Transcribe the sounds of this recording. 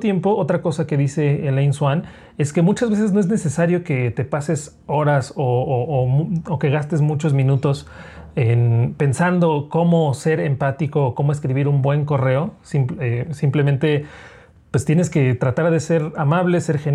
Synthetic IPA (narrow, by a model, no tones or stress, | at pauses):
t̪je̞mpo̞o̞t̪ɾako̞sake̞ðise̞ːlejnswan | e̞ske̞mut͡ʃazβe̞se̞zno̞e̞zne̞se̞saɾjo̞ke̞t̪e̞pase̞s | o̞ɾaso̞oːmuoke̞ɣast̪e̞zmut͡ʃo̞zmĩnut̪o̞senpe̞nsand̪o̞ko̞mo̞se̞ɾempat̪iko̞ːko̞mo̞e̞s̬kɾiβ̞iɾumbwe̞ŋko̞re̞o̞simpesimple̞mẽnt̪e̞ | pwe̞st̪je̞ne̞ske̞t̪ɾat̪aɾðe̞se̞ɾamaβle̞se̞ɾxen